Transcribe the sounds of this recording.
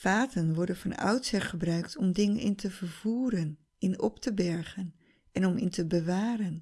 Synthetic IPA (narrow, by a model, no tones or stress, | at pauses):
faːtənʋɔɹdənvɑna̰wtsɛχəbrœɥktʰɔmdɪŋənɪ̰ntəvəɹv̥uːɾən | ɪnɔptəbɛɹχən | ʔɛnɔmɪntəbəʋaːɾən